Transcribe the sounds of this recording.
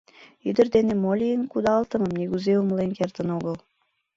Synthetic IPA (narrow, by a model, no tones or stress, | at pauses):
yd̪ə̆rd̪enemolʲijənkud̪ɑlt̪əmə̆mniɣuzeumlenkert̪ənoɣəl